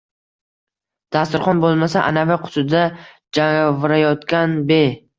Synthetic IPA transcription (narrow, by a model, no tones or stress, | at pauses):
d̪̥ast̪ɪɾχɒnbolˠmasaʔa̰navaqʰʊ̥t̪ʰʊd̪a | d͡ʒaŋvɪɾajɒt̪kʲanbe